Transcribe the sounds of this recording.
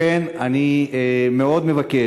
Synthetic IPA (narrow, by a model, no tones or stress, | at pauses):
enaniemeo̞d̪me̞vake